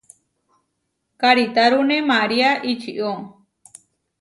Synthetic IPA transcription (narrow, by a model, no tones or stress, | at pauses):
kaɾit̪aɾunemaɾiaʔit͡ʃiʔɔ